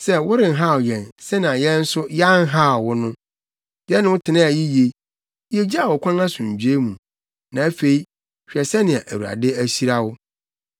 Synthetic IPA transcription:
sɛ˦wʊ˦ɾɪ̃˨n̩˨ɦa˦˨jɛ̃˨nsɛ˦nã˨jɛ˦n̩˦sʊ˦ja˦n̩˦ɦa˦˨wʊ˦nʊ̃˦ | jɛ˦nɪ̃˦wʊ˦tʰɪ˨nã˦a˨ji˦je˨ | je˦d͡ʑa˨wʊ˨kʰʷã˦nã˦sʊ̃˨ɲ˨d͡ʑᶣe˦mũ˨ | nã˨æ˦fe˨i˦ | ɕᶣi˨ɛ˨sɛ˦nɪ̃˨a˨ʔæ˨wu˨ɾa̰˨dɪ˦æ˦ɕi˦ɾa˦wʊ˦

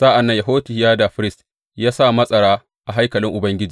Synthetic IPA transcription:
sa˦ʔa˨nːɐ˦ja˨ɦoː˦ti˨hjaː˦da˨ɸɪ˦ɾɪ˦st | jaː˦sa˦˨mɐ˦sʼɐ˨ɽaː˦ | ʔa˨ɦa˦jkɐ˨lɪ˦ŋʔʊ˨bɐ˦ŋɡʲɪ˦d͡ʒiː˨

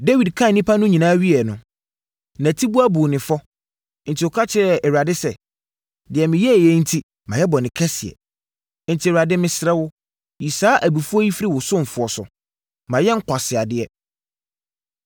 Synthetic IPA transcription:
de˦wi˨dkʰã˦˨nĩ˦pʰa˦nʊ̃˦ɲĩ˨nãː˦ɥi˦ɛ˨nʊ̃˨ | nã˨tʰi˦bu˦a˦bu˨nɪ̃˨fɔ˦ | n̩˨tʰi˨ɔ˨kʰa˦t͡ɕʰɪ˦ɾɛ˨ɛ˨ɥa˨dɪ˦sɛ˨ | dɪ˨ɛ˨mɪ̃˨jɛ˦˨jɛ˨˦n̩˦tʰi˦ | mã˨jɛ˦bɔ˨nɪ̃˨kʰɛ˦sɪ˨ɛ̰˨ | n̩˨tʰi˨ɾa˨dɪ˦mɪ̃˨sɪ˨ɾɛ˦wʊ˦ | ji˨saː˦ʔæ˨bi˨fu˦ɔ˦ji˦fi˦ɾi˦˨wʊ˨sʊ̃˦m̩˨fʊ˨ɔ˨sʊ̰˨ | mã˨jɛ˦ŋ̩˦kʷʰa˨sɪ˨a˨dɪ˦ɛ˦

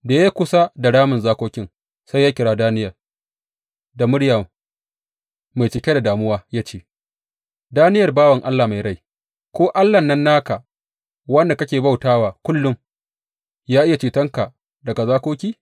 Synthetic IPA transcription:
da˨ja˦kʷʊ˨sa˦da˨ɽaː˦mʊ˨nzaː˦kʷoː˦kʲɪ˦ŋ | sa˦jaː˦kʲɪ˨ɽaː˦daː˦nɪ˦jɐ˨r | da˨mʊ˦ɽja˨ | ma˨jt͡ʃɪ˨kʲe˦da˨daː˨mʊ˦waː˦jaː˦t͡ʃeː˦˨ | daː˦nɪ˦jɐ˨rbaː˦wɐ˨ŋʔa˦lːaː˨ma˨jɽa˦˨j | kʷoː˦ʔa˦lːɐ˨nːɐ˦nːaː˦ka˨ | wɐ˦nda˨kɐ˦kʲeː˨ba˦wtaː˦waː˨kʷʊ˦lːʊ˦m | jaː˦ʔɪ˦ja˨t͡ʃiː˨tɐ˦ŋka˨ | dɐ˨ɡa˨zaː˦kʷoː˦kʲiː˦

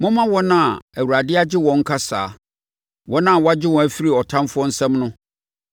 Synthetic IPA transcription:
mʊ̃˦mã˦wɔ˦nã˦˨a˨æ˨wu˨ɾa˨dɪ˦a˦d͡ʑɪ˦wɔ̃˨ŋ̩˦kʰa˦sa̰ː˨ | wɔ˦nã˦˨wɔ˦a˦d͡ʑɪ˦wɔ̃˨æ˦fi˦ɾi˨ɔ˨tʰã˦mfʊ˦ɔ˦n̩˦sɛ̃˦mnʊ̃˦

